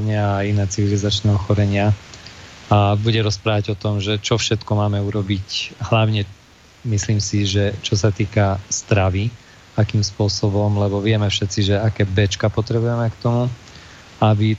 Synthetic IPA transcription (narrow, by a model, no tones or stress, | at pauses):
ɲɪaːinɛːt͡siʋilizat͡ʃnɛːɔxɔɾɛɲɪa | abuɟɛɾɔspɾaːʋaɟɔt̪ɔmʒɛt͡ʃɔfʃɛt̪kɔmaːmɛuɾɔbicɦlaʊɲɛ | misliːmsiʒɛt͡ʃɔsat̪iːkast̪ɾaʋi | akiːmspʊɔsɔbɔmlɛbɔʋɪɛmɛfʃɛt̪t͡siʒɛakɛːbɛt͡ʃkapɔt̪ɾɛbujɛmɛkt̪ɔmu | abi